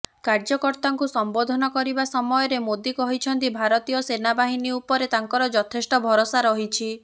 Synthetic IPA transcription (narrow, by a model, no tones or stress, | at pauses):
kaɾd͡ʒɔkɔɾt̪aŋkusɔmbod̪ʱɔnɔkɔɾibasɔmɔjɔɾemod̪ikɔɦit͡ʃʰɔnt̪ibʱaɾɔt̪ijɔsenabaɦiniupɔɾet̪aŋkɔɾɔd͡ʒɔt̪ʰesʈɔbʱɔɾosaɾɔɦit͡ʃʰi